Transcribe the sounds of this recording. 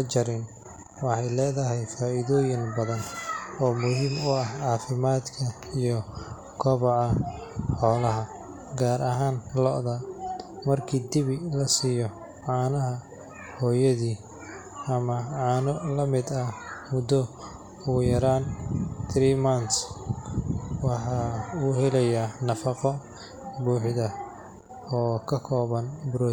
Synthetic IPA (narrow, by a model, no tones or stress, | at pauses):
ɐt͡ʃɐɾɪn | wɑħɑjlɛːðɐɦɛjfaːʔiðɔːjɪnbɐðɐnɔːmʊɦɪmʊɐhʕɑːfɪmaːd̪kʰɐ | ijɔ | ɡʰɔβɔʕɑħɔːlɐɦɐ | ɡaːɾɐɦaːnlɔ̰ʔðɐmɐrkʰiːd̪ɪβɪlɐsiːjɔ | ʕaːnɐɦɐ | hɔːjɐðiː | ʔɐmɐʕɑːnɔlɐmɪd̪ɐmʊd̪ɔ | uːjɐɾaːnt̪ʰɾiːmɐns | wɑħɑuːhɛlɛjanɐfɑqɔ | buːħðɐ | ɔːkʰɐkʰɔːβɐnbɾɔ